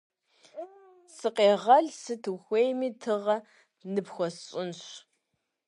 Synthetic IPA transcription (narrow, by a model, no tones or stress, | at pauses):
sɨqeːʁɐɮsɨtʰɨxʷeːjmiːtʰɨʁɐ | nɨpxʷɔsɕʼɪnɕ